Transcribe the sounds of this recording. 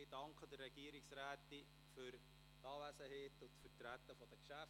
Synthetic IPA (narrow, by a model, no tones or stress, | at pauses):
ɪd̥ɑŋkχəd̥ərːɛɡ̥iəɾiksɾæːti | fʏɾ | tɑːʋæsəheːtʊntfətɾæt̪ːəfɔd̥̪əkʃæf